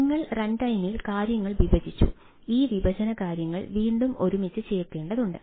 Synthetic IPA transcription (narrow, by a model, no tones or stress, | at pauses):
iŋːɐɭreɳɖɐjmilkaːɾjɐŋːɐɭʋibʱɐd̪ʱit͡ɕːṵ | iːʋibʱɐd͡ʑɐnɐkaːɾjɐŋːɐ̰ɭʋiːɳɖumo̞ɾumit͡ɕːɨt͡ɕe̞ːrkːe̞ːɳɖɐðuɳɖɨ